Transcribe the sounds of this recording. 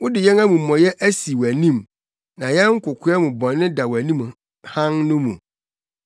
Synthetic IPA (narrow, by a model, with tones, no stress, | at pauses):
wʊ˦dɪ˨jɛ̃˦na˦mũ˨m̩˨mɔ̃˨jɛ˦ʔæ˦si˨wæ˨nĩ˦˨m | nã˨jɛ˦ŋ̩˦kʰʊ˨kʰʊ˦ɛ˦mʊ̃˨bɔ̃˨nː˦ɪ̃˦da˨wæ˨nĩ˦m˨ | hã˦ŋnʊ̃˦mṵ̃˨